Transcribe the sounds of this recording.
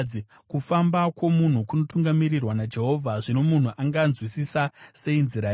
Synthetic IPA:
i | kufambakwo̞mun̤ukuno̞tuŋɡamirirwanad͡ʒe̞ɦo̞ːvʱaʐino̞mun̤uʔaŋɡanzwisisase̞inziɾa

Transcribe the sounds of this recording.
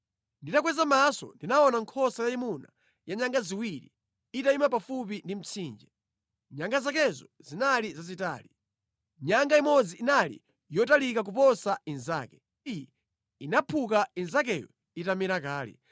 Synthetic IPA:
nditakwɛzamasɔ̰ndinaɔnaŋkʰɔsajaimuna̰ | jaɲaŋɡaziwiɾḭ | itaimapafup̬indim̩t͡sʰiːnd͡ʒɛ | ɲaŋɡazakɛzɔzinalizazita̰ːli | ɲaŋɡaimɔd͡ziːnalḭ | jɔtalikak̬upɔsainzaːkɛ̥ | ijɛ | inapʰukainzak̬ɛjɔ̰ | itamiɾakaːlɛ̰

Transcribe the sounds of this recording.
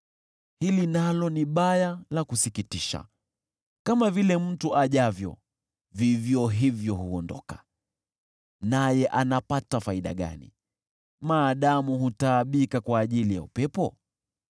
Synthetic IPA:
hilinalɔniɓajalakusikitiʃa̰ | kamavilɛm̩tuʔaʄavjɔ̰ | vivjɔɦivjɔɦuɔndɔ̰kḁ | najɛʔanapatafaiɗa̰ɠa̰nḭ | maːɗamuhutaːɓikakwaːʄilija̰upɛpɔ̰

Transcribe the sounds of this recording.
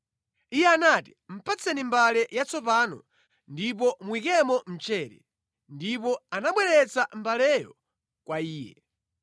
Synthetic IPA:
ijɛanati̥m̩pʰat͡sʰɛnimbalɛjat͡sɔp̬anɔ̰ | ndip̬ɔmwik̬ɛmɔm̩t͡ʃɛːɾɛ | ndip̬ɔanaɓwɛɾɛt͡sambalɛjɔ̰ | kwaiːjɛ̰

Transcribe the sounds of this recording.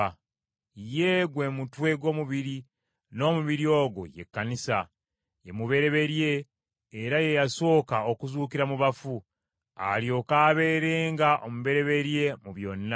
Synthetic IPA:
jeɡwe̞ːmutwe̞ɡwo̞ːmuβiɾi | no̞ːmuβiɾio̞ːɡo̰je̞̰kːanisa | je̞muβe̞ɾe̞βe̞ɾje̞ː | ɾaje̞jaso̞ːkao̞kuzuːkiɾamuβafu | a̰ljo̞kaːβe̞ːɾe̞ːŋɡaʔomuβe̞ɾe̞βe̞ɾje̞muβjo̞nːa

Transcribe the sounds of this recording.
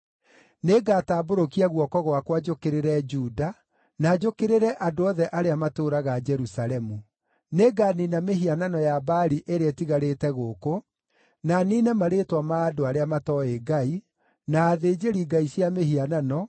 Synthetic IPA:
neɡataːboɾokiɛɣwɔkɔɣwakwad͡ʒokeɾeɾɛd͡ʒuːda | naːd͡ʒokeɾeɾɛʔadoɔðɛʔaɾeamatoɾaɣad͡ʒɛɾusalɛmu | neɡaninameɦiananɔjabaːɾiʔeɾeɛtiɣaɾetɛɣoːko | naninɛmaɾetwamaːdoaɾeamatɔeɡai | naːðeːd͡ʒeɾiɡaisjameɦiananɔ

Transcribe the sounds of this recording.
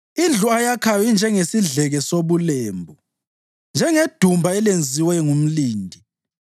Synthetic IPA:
ind͡ɮʱuajakʰawind͡ʒʱɛŋesiɮɛɣɛsoβulɛːmbʱɔ | nd͡ʒʱɛŋed̥ʱumbʱaɛlend͡zʱiwɛŋum̩liːndʱi

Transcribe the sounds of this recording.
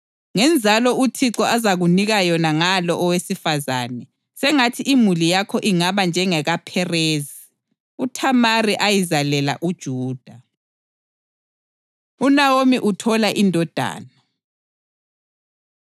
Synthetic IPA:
ŋɛnd͡zʱalɔutʰiǁɔʔazaɣuniɣajɔnaŋalɔʔɔwesifaza̰ːnɛ | sɛŋatʰiʔimulijakʰɔʔiŋaβand͡ʒʱɛŋɛɣapʰɛreːzi | utʰamariʔajizalɛla̰ʔud̥ʒ̥ʱuːd̥ʱa | unawomiʔutʰɔlaʔindʱɔd̥ʱa̰ːna

